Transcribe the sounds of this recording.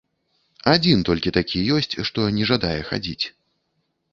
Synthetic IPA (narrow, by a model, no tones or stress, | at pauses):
ad͡zʲint̪ɔlʲkʲit̪akʲʰijɔsʲt͡sʲʂt̪ɔnʲɛʐad̪ajɛxa̰d͡zʲit͡sʲ